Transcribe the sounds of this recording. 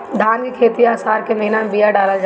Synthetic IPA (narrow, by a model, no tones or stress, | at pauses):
d̪ʱaːnkikʰeːt̪iaːsaːɾkemɐɦɪnamebijaɖaːlad͡ʒa